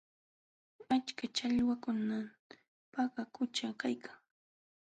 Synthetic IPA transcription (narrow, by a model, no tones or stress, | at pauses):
at͡ʃkat͡ʃaʎwakʊna | paɢakʊt͡ʃakajkʰaŋ